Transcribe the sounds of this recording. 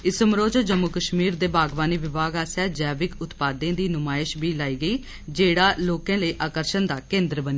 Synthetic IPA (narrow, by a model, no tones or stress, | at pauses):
ɪsəmɾoːd͡ʒd͡ʒəmːʊkəʃmiːɾd̪eːbaːɡʋaːniːʋɪbaːɡaːsaːd͡ʒɛːbɪkʊt̪paːd̪ẽãːd̪iːnʊmaːɪʃbiːlaːiːɡəiː | d͡ʒeːɽaːloːkãːləiːʔaːkəɾʃənd̪aːkẽːnd̪ɾbəniː